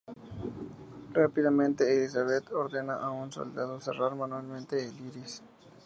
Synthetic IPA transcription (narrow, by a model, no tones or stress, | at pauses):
rapiðamẽnt̪eːlisaβet̪oɾðenaʔaunso̰ld̪aðosḛraɾmãnwalmẽnt̪eːliɾis